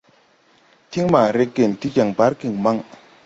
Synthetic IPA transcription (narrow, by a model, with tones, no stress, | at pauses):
t̪ʰi˥ŋma˨ɾe˩˨ʔke˩˨nt̪i˩˨ca˩˨ŋpa˩˨ɹki˩˨ŋma˨ŋ